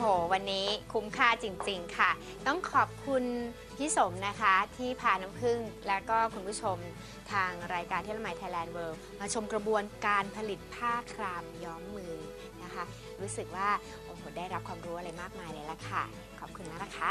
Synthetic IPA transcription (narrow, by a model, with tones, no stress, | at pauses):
hoː˨˩˦wa˧nːiː˦˥kʰu˦˥mkʰaː˥˩t͡ɕi˧ŋt͡ɕi˧ŋkʰa˥˩ | t̪ɔ˥˩ŋkʰɔː˨˩p̚kʰu˧n | pʰi˦˥so˨˩˦mna˦˥kʰa˦˥t̪ʰiː˥˩pʰaː˧na˦˥mpʰɯ˥˩ŋlɛː˦˥wkɔː˥˩kʰu˧npʰuː˦˥˩t͡ɕʰo˧m | t̪ʰaː˧ŋɾaː˧jkaː˧nt̪ʰi˥˩la˧ma˧jt̪ʰa˧jlɛː˧nwɤː˧w | maː˧t͡ɕʰo˧mkɾa˧bu˧ənkaː˧npʰa˧li˨˩t̪̚pʰaː˥˩kʰlaː˧mjɔː˦˥mːɯː˧ | na˦˥kʰa˦˥ | ɾuː˦˥sɯ˨˩k̚waː˥˩ | ʔoː˨˩hoː˩daː˥˩jɾa˦˥p̚kʰwaː˧mɾuː˦˥ʔa˧ɾa˧jmaː˥˩k̚maː˧jlaː˧˦la˧˩kʰa˥˩ | kʰɔː˨˩p̚kʰu˧nla˦˥la˧˩kʰa˦˥˩